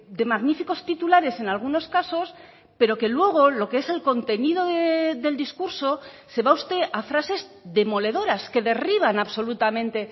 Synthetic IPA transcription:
d̪e̞maɣnifiko̞st̪it̪ulaɾe̞se̞nalɣ̞uno̞skaso̞s | pe̞ɾo̞ke̞lwe̞ɣ̞o̞lo̞kee̞se̞lko̞nt̪e̞nið̞o̞ðeðe̞ld̪iskuɾso̞ | se̞βaust̪e̞ʔafɾase̞zðe̞mo̞le̞ðo̞ɾaske̞ðe̞riβ̞anaβso̞lut̪amẽ̞nt̪e̞

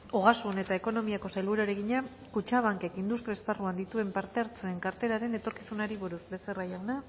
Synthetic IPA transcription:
o̞ɣ̞asune̞t̪aeko̞no̞miako̞sajlβuɾaɾe̞ɣiɲa | kut͡ʃaβ̞aŋke̞kind̪ust̪ɾiaesparuand̪it̪ue̞mpaɾt̪e̞aɾt͡seːŋkaɾt̪e̞ɾaɾe̞ne̞t̪o̞ɾki̥sunaɾiβuɾuzbe̞serajawna

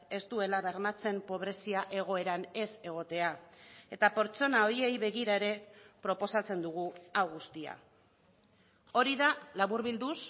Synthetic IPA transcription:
e̞st̪ue̞laβe̞ɾmat͡se̞mpo̞β̞ɾe̞siaʔe̞ɣ̞o̞e̞ɾane̞se̞ɣ̞o̞t̪e̞ae̞t̪ape̞ɾt͡so̞nao̞ɾie̞jβe̞ɣiɾae̞ɾe̞pɾo̞po̞sat͡se̞nd̪uɣ̞uawɣust̪ia̰ | o̞ɾiðalaβuɾβild̪us

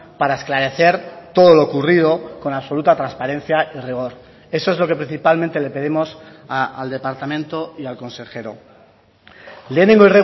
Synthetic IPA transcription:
paɾaesklaɾe̞θe̞ɾt̪o̞ð̞o̞loːkurið̞o̞ko̞naβso̞lut̪at̪ɾanspaɾe̞n̟θjaʔiriɣ̞o̞ɾ | e̞so̞ezlo̞ke̞pɾin̟θipalmẽnt̪e̞le̞pe̞ð̞imo̞s | aald̪e̞paɾt̪amẽnt̪oialko̞nse̞xe̞ɾo̰ | lenĩŋɡoiri

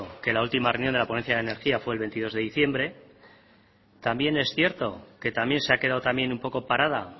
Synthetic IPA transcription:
oke̞lault̪imarewnjond̪eapoe̞nθjaðene̞ɾxiafwe̞ːlβe̞nt̪iðo̞zðe̞ðiθje̞mbɾe̞ | t̪ambje̞ne̞sθje̞ɾt̪o̞ke̞t̪amje̞nseake̞ð̞aðot̪amje̞numpo̞ko̞paɾað̞a

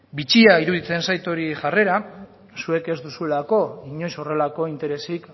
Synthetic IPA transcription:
bit͡ʃiaiɾuðit͡se̞nsajt̪o̞ɾiʝare̞ɾa | sue̞ke̞zd̪usue̞lako̞iɲo̞jso̞re̞lako̞int̪e̞ɾe̞sik

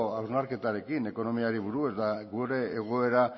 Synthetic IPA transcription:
awznaɾke̞t̪aɾe̞kine̞ko̞no̞miaɾiβ̞uɾue̞zd̪aɡuɾe̞ːɣ̞o̞e̞ɾa

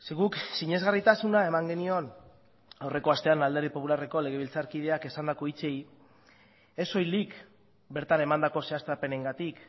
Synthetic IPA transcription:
seɣuksiɲe̞zɣarit̪asunae̞maŋɡe̞nio̞n | awre̞ko̞ast̪e̞anald̪e̞rðipo̞pulareko̞le̞ɣ̞e̞β̞ilt͡saɾkið̞e̞ake̞sand̪ako̞it͡se̞j | e̞so̞jlik | be̞ɾt̪ane̞mand̪ako̞se̞ast̪ape̞ne̞ŋɡat̪ik

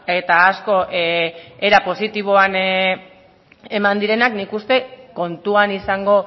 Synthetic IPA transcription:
e̞t̪aːsko̞ʔe̞ɾapo̞sit̪iβ̞o̞an | e̞mand̪iɾe̞naknikust̪e̞ko̞nt̪uanisaŋɡo̞

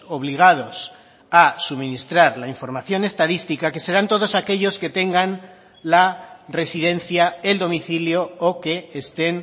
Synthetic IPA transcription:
o̞β̞liɣ̞að̞o̞s | asuβmĩnist̪ɾaɾlaiɱfo̞ɾmaθjo̞ne̞st̪aðist̪ikake̞se̞ɾant̪o̞ðo̞sake̞ʎo̞ske̞t̪e̞ŋɡan | lare̞siðe̞n̟θjaeld̪o̞miθiljo̞ːke̞ːst̪e̞n

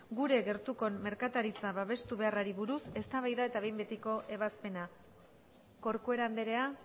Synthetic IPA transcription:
ɡuɾe̞ɣe̞ɾt̪uko̞mːe̞ɾkat̪aɾit͡saβaβ̞e̞st̪uβe̞araɾiβuɾuse̞st̪aβajðae̞t̪aβe̞jmbe̞t̪iko̞ʔe̞β̞aspe̞na | ko̞ɾkoe̞ɾand̪e̞ɾe̞a

